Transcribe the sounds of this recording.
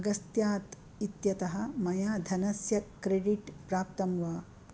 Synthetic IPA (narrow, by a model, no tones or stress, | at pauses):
ɐɡɐst̪jaːt̪ | it̪jɐt̪ɐɦɐ̆mɐjaːd̪ʱɐnɐsjɐkɾeɖiʈpɾaːp̚t̪ɐmʋaː